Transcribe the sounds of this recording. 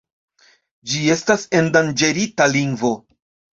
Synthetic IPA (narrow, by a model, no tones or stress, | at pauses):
d͡ʒie̞stase̞ndand͡ʒe̞ɾitaliŋɡvo̞